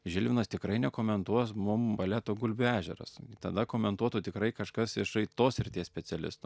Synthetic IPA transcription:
ʒʲɪlʲʋʲɪnɐst̪ʲɪkɾɐɪnʲɛkoːmʲɛnt̪uɔsmʊmbɐlʲæt̪oːɡʊlʲbʲʊæːʒʲɛɾɐ̰sɪt̪ɐd̪ɐkoːmʲɛnt̪uɔt̪uːt̪ʲɪkɾɐɪkɐʃkɐsɪʃɐɪt̪oːsɾʲɪt̪ʲeːsʲpʲɛt͡s̪ʲɛlʲɪ̰st̪oː

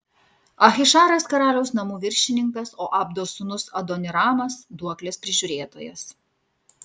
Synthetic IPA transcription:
ɐxʲɪʃɑːɾɐskɐɾɑːlʲɛʊsnɐmuːʋʲɪɾʲʃʲɪnʲɪŋkɐsoːʔɐːb̚d̪oːsʊnʊsɐd̪ɔnʲɪɾɑːmɐsd̪uɔklʲeːspʲɾʲɪʒʲʊɾʲeːt̪oːjɛ̰s

